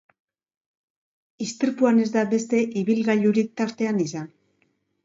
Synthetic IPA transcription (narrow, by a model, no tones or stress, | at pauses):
ist̪iɾpuane̞zd̪abe̞st̪e̞ʔiβilɣaʎuɾik̚t̪aɾt̪e̞anisan